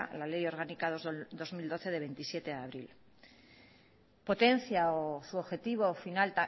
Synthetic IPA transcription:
lale̞jo̞ɾɣanikaðod̪o̞zmild̪o̞θe̞ðe̞βe̞nt̪isje̞t̪e̞aːβ̞ɾil | po̞t̪e̞n̟θjaosuoβxe̞t̪iβ̞o̞finalt̪a

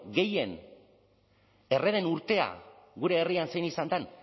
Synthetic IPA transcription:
ɡe̞je̞n | e̞re̞ðe̞nuɾt̪e̞a̰ɣuɾe̞ːriansejnisand̪an

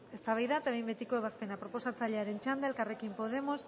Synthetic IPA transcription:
e̞st̪aβ̞ajðat̪aβejmbe̞t̪iko̞eβ̞aspe̞napɾo̞po̞sat͡saʎeaɾe̞nt͡ʃand̪aelkare̞kimpo̞ð̞e̞mo̞s

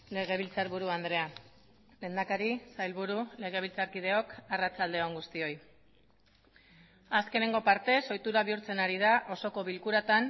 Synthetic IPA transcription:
le̞ɣ̞e̞β̞ilt͡saɾβuɾuand̪ɾe̞a | le̞nd̪akaɾisajlβuɾule̞ɣ̞e̞β̞ilt͡saɾkið̞e̞o̞karat͡sald̪e̞oŋɡust̪io̞j | aske̞ne̞ŋɡo̞paɾt̪e̞so̞jt̪uɾaβiuɾt͡se̞naɾið̞aʔo̞so̞ko̞βilkuɾat̪an

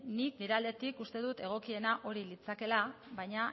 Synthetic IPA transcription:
nikniɾeald̪e̞t̪ikust̪e̞ðut̪e̞ɣ̞o̞kie̞naʔo̞ɾilit͡sake̞laβajɲa

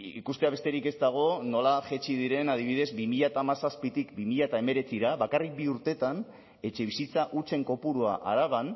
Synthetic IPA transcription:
ikust̪e̞aβe̞st̪e̞ɾike̞st̪aɣ̞o̞no̞laʝet͡ʃið̞iɾe̞nað̞iβiðe̞zbimiʎat̪amasaspit̪ikbimiʎat̪ae̞me̞ɾe̞t͡siɾaβakarik̚biuɾt̪e̞t̪an | e̞t͡ʃe̞βisit͡saʔut͡se̞ŋko̞puɾuaʔa̰ɾaβan

